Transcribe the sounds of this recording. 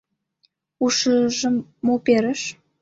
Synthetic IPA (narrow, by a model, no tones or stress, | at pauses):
uʃəʒə̆mːopeɾə̆ʃ